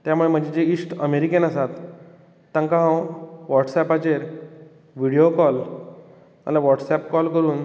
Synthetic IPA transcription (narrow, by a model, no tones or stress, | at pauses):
t̪jamuɭem̤əd͡ʑed͡ʑeiːsʈəmeɾikenəsat̪ː | ãŋkãɦãwʋɔʈsɛpat͡ɕeɾ | ʋiɽijokɔl | a̰laʋɔʈsɛpkɔlkəɾuːn